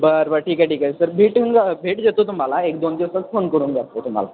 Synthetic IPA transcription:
bəɾʋəʈʰiːkaʈiːkasəɾbʱiːʈɨŋɡbʱeːʈd͡ʒɐt̪ot̪umalaeːk̚d̪oːnd͡ʑ̪esɐd̪fʰonkəɽunɡɐɾt̪ot̪um̤a̰la

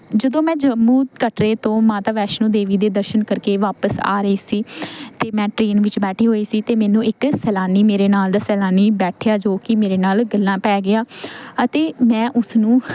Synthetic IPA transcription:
d͡ʒəd̪õːmɛ̃ːd͡ʒəmuːd̪kəʈɾeːt̪õːmaːt̪aːʋɛːʃnũːd̪eːʋiːd̪eːd̪əɾʃənkəɾkeːʋaːpəsa̰ːɾəiːsiːt̪eːmɛ̃ːʈɾeːnʋɪt͡ʃbɛːʈʰiːɦoːiːsiːt̪eːmɛ̃ːnũːʔɪksɛːlaːniːmeːɾeːnaːld̪aːsɛːlaːniːbɛːʈʰejaːd͡ʒoːkɪmeːɾeːnaːlɡəlːãːpɛːɡɪaːət̪eːmɛ̃ːʔʊsnũː

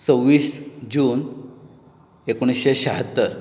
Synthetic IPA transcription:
t͡səwːiːsd͡ʑuːn | ekoɽ̃isɕeɕaɦət̪ːəɾ

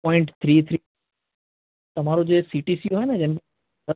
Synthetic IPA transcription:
ɔ̃ːɪ̃ɳʈt̪ʰɾiːt̪ʰɾ | t̪ɐʋ̤aːɾud͡ʑeːsiːʈisiuaːɦɪnəd͡ʑɐnɪk

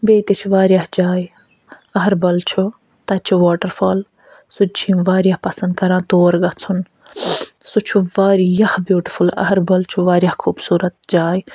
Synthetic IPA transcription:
beːt̪et͡ʃʰuʋaːɾʲjahd͡ʒaːj | ɐɦɐɾbɐlt͡ʃʰu | t̪ɐt͡ʃʰuʋaːʈɐɾfʰoːl | sut͡ʃʰimʋaːɾjahpɐsɐnd̪̚kɐɾãːt̪oːɾɡɐt͡sʰun | sut͡ʃʰuʋaːɾjɐhbjuːʈifʰulɐ̰ɦɐɾbɐlt͡ʃʰuʋaːɾjaːhkʰuːbsuːɾɐt̪̚d͡ʒaːj

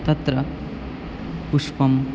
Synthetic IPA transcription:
t̪ɐt̪ɾɐ | puʂpɐm

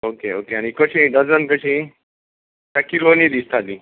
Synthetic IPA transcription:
okeokeaɽ̃ikəɕĩɖəd͡zənkəɕĩ | t̪akilonid̪ist̪ad̪i

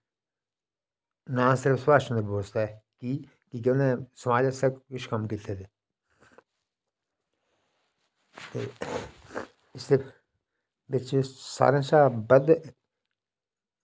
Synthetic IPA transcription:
nãːsɪɾəfspaːʃə̃nd̪eboːst̪akiː | kikeːnẽːsəmaːd͡ʒəsəkkɪʃʰkəmkɪt̪ʰːet̪eː | t̪eː | ɪsd̪e | bɪt͡ʃsa̰ːɾẽːsaːbəd̪

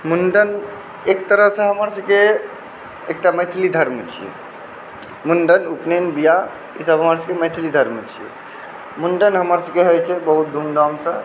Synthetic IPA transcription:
munɖən | ek̚t̪əɾəɦsə̃ɦəməɾsə̃ke | ek̚ʈaməjt̪ʰlid̪ʱəɾmət͡ʃʰḭjɛ̰ | munɖənupnenbija | ḭsəbʱɦəməɾsə̃keməjt̪ʰilid̪ʱəɾmət͡ʃʰijḛ | munɖənɦəməɾsə̃keɦojt͡ʃʰɛbəɦut̪̚d̪ʱumd̪amsə̃

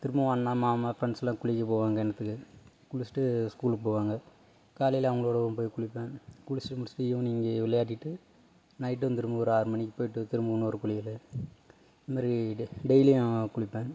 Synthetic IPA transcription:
t̪ɪɾɯmbɐʋɐnːaːmaːmaːfɪɾɛɳsɛlãːkʊɭɪkʲːɐpoːʋaːŋɡɐɛnɐt̪ːɯkːɯ | kuɭɪsʈːɯskuːlpoːʋaːŋɡɐ | kaːlɪjlɐʋɐŋɡɐɭoːɽɐʋ̃p̬oːjkʊɭɪpːẽːkuɭɪsʈːɯmʊɽɪsɪ̥ʈːɯɪʋɐ̃niːŋɡɐʋɪlɐjaːʈ̬ːɪʈːɯ | nɐɪʈ̬ːɐnt̪ɪɾɯmbɐɔɾɯaːɾɯmɐɳːɪkʲːɯpoːjɪʈːɯt̪ɪɾɯmbɐɐnːɔɾɯkʊɭɪjɐl | nɐmaːɾiɖeɪliãkʊɭɪpːẽː

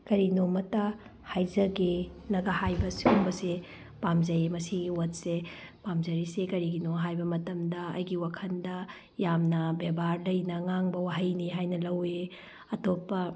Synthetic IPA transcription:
kɐɾinomɐtɐ | hajzɐɡinɐɡɐhajbɐsiuŋbɐse | pamzɐemɐsiɡiwɐt̚se | pamzɐɾisekɐɾiɡinoɦajbɐmɐtɐmdɐɐ̰jɡiwakʰɐndɐ | jamnɐbebʱaɾlɐjnɐŋaŋbɐwaɦɐjniɦajnɐlɐwe | ɐtopːɐ

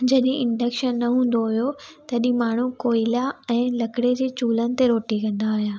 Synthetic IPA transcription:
d͡ʑɐɗɦẽʔɪ̃ɳɖɐkʃənːɐɦũːn̆d̪oɦʊjot̪ɐɗĩmaːɳ̤ukoːɪlaɛ̃ːlɐkɽed͡ʑeːt͡ɕuːlənɪ̆t̪eɾoːʈikɐ̃nd̪aːɦijaː

